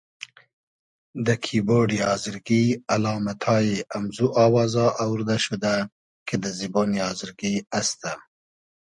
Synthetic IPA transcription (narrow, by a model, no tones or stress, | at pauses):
d̪əkʰiboɖiɑːzɪɾɡialɑːmat̪ʰɑjeʔamzuʔɑːwɑːzɑʔawɾd̪aʃud̪a | kʰed̪əziboːniɑːzɪɾɡiast̪a